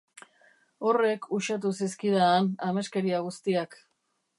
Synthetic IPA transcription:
o̞re̞kʰuʃat̪̬usiskiðaːname̞ske̞ɾiaɣ̞ust̪iak

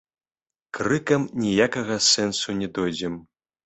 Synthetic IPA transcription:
kɾɨkɐmnʲijakɐɣɐsɛnsunʲɛd̪ɔjd͡zʲɛm

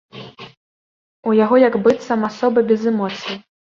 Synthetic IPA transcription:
ujaɣɔjɐɡbɨt̪sɐmasɔbɐbʲɛzɛmɔt̪sɨji

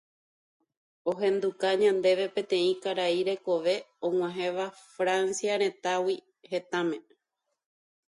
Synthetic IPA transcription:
o̞ɦẽ̞nd̪ukaɲãnd̪e̞ʋe̞pẽ̞t̪ẽ̞ĩkaɾaiɾe̞ko̞ʋe̞õŋw̃ãɦẽ̞ʋafɾansiaɾ̃ẽ̞t̪awi | he̞t̪amẽ̞

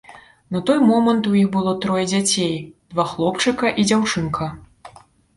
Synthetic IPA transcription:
nɐt̪ɔjmɔmɐnt̪ujixbɨlˠɔt̪ɾɔjɛd͡zʲat͡sʲejd̪vaxlˠɔpt͡ʂɨkɐʔid͡zʲawt͡ʂɨnkʰɐ

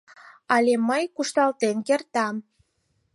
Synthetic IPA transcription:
ɑlʲeməjkuʃt̪ɑlt̪enkert̪ɑm

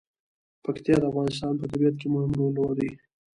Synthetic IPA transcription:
pakt̪ijɑd̪əafɣɑnɪst̪ɑnpət̪abijat̪̚kemʊhɪmɾolwaɾi

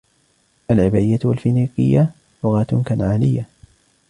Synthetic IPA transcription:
ʔalʕɪbaɪjːat̪walfɪniːqɪjːa | lʊɣaːt̪kanʕaːlɪjːa

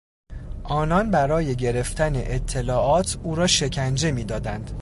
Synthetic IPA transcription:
ʔɒːnɒnbæɾɒːje̞ɟe̞ɾe̞ft̪æne̞̰ʔet̪ʰːe̞lɒːʔɒːt̪ʰuːɾɒːʃe̞cʰænd͡ʒe̞miːd̪ɒːd̪ænd̪

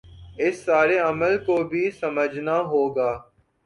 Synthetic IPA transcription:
ɪsːaːɾeəməlkoːbʱiːsəməd͡ʒʱnaɦoːɡaː

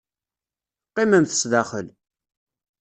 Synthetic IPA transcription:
qːimæmθə̥sðaχəl

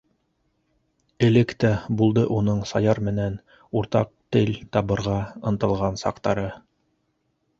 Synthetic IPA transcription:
ɘ̆lɘkt̪æbulˠd̪ɤʔunɤɴsɑjɑɾmɘ̆næn | uɾt̪ɑq̚t̪ɘlʲt̪ɑβɤ̆ɾʁɑɤ̆nt̪ɤ̆lˠʁɑnsɑ̰qt̪ɑɾɤ

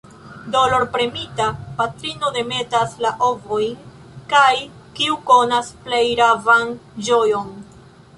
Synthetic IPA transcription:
dolo̞ɾpɾemitapatɾino̞de̞me̞taslaʔo̞vo̞jn | kaj | kiuko̞nasplejɾavand͡ʒo̞jon

